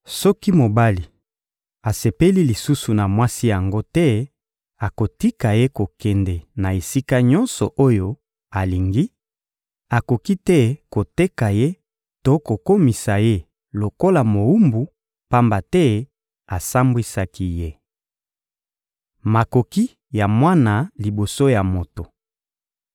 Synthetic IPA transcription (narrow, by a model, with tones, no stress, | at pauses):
sɔ˦ki˦mo˨ba˦li˨ | a˨se˨pe˦li˦li˨su˦su˨na˨mwa˦si˦ja˨ŋɡo˦tɛ˦ | a˨ko˨ti˦ka˨je˦ko˨kɛ˨ndɛ˨na˨e˨si˦ka˦ɲɔ̃˦nsɔ˨ʔo˦jo˦ | a˨li˨ŋɡi˦ | a˨ko˨ki˦tɛ˦ko˨te˦ka˨je˦ | to˦ko˨ko˦mi˨sa˨je˦ | lo˨ko˦la˨mo˨u˦mbu˨ | pa˦mba˨tɛ˦ | a˨sa˦mbwi˦sa˦ki˦je˦ | ma˨ko˨ki˦ | ja˨mwa˦na˨li˨bo˨so˦ja˨mo˨to˨